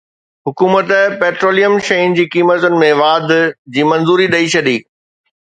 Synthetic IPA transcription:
ɦʊkuːmət̪peːʈɾoːlijəmʃɐind͡ʑiːkiːmət̪ʊnɪ̆mẽʋaːd̪d͡ʑiːmɐ̃nzuːɾiɗɐit͡ɕʰɐɗiː

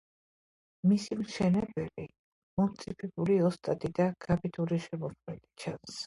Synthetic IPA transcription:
misimʃɛnɛbɛli | mɔmt̪sʼipʰɛbuliɔst̪ʼat̪ʼid̪aɡ̥apʼit̪ʼuɾiʃɛmɔkʰmɛd̪ʼit͡ʃʰans

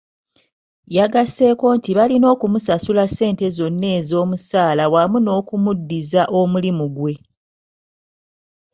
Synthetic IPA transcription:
jaɡase̞ko̞ːntiβalino̞ːkumusasulase̞ːnte̞zo̞nːe̞ːzo̞ːmusaːlawamuno̞ːkumudːizaʔo̞mulimuɡwe̞

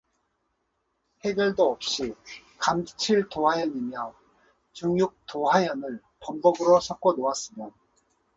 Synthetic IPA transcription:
he̞ɡjʌɭdoʌp̚ɕ͈i | kamt͡ɕʰiɭtoɦajʌnimjʌ | t͡ɕuŋjuk̚toɦajʌnɯɭ | pʌmbʌɡɯɾosʰak̚k͈onoas͈ɯmjʌ

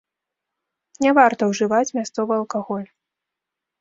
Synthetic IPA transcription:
nʲɛvart̪ɐwʐɨvat͡sʲmʲast̪sɔvɨɐlˠkaɣɔlʲ

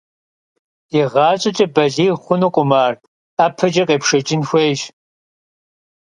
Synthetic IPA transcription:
jiʁɑːɕʼɪt͡ʃʼɐbɐɮiːχʷʊnuqʷʼʊmaːrt | apʰɐd͡ʒʼɐqʼeːpʂɐt͡ʃʼɪnxʷeːʒ

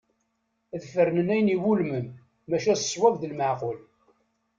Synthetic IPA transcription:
ðfəɾnənæjniwulməmː | æʃæsə̥swævðəlməʕqʊl

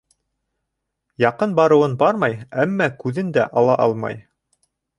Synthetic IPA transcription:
jɑqɤnbɑɾɤ̆wɤnbɑɾmɑjæmːækʉðɘnd̪æʔɑlˠɑʔɑlˠmɑ̰j

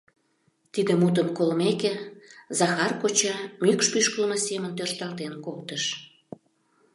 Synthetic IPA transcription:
t̪id̪əmut̪̬ənkolmekezɑxɑrkot͡ɕɑmykʃpyʃkəlməsemənt̪ørt̪ɑlt̪enkolt̪əʃ

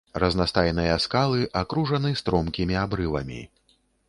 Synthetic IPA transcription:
rɐznast̪ajnɨjɐskalˠɨʔakɾuʐɐnɨst̪ɾɔmkʲimʲiabɾɨvɐ̰mʲḭ

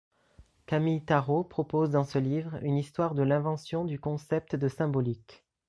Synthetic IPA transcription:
kamilt̪aʁopχɔpozd̪ɑ̃səlivʁy̰nist̪waʁd̪əlɛ̃vɑ̃sjɔ̃d̪ykɔ̃sɛp̚t̪d̪əsɛ̃bɔlik

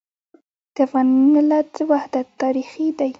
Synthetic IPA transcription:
d̪̥əafɣɑnmɪlat͡səwahd̪at̪ːɑɾixid̪aj

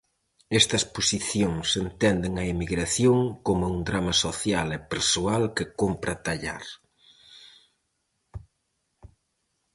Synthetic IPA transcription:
ɛst̪ɐsposiθjoŋsent̪ɛnd̪ɪŋɐimiɣɾaθjoŋkomʊund̪ɾamɐsoθjalɛpeɾsoalkɪkompɾɐt̪aʎa̰ɾ

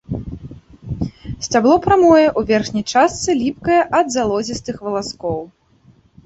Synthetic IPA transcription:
sʲt͡sʲablˠɔpɾamɔjɛʔuvʲɛrxnʲɐjt͡ʂast̪sɨlʲip̚kɐjɛʔɐd̪zalˠɔzʲist̪ɨxvɐlˠaskɔw

